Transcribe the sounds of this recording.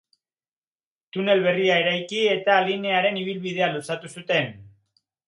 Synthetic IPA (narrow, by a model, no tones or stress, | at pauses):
t̪une̞lβe̞riae̞ɾajkie̞t̪aline̞aɾe̞niβ̞ilβið̞e̞alusat̪usut̪e̞n